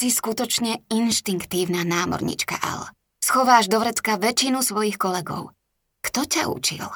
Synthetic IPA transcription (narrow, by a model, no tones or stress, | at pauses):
siskut̪ɔt͡ʃɲɛinʃt̪iŋkt̪iːʊnanaːmɔ̰ɾɲḭt͡ʃka̰ʔa̰lɛ̰ | sxɔʋaːʒd̪ɔʋɾɛt͡skaʋɛt͡ʃinusʋɔjixkɔlɛɡɔ̰ʊ | kt̪ɔca̰ṵt͡ʃḭl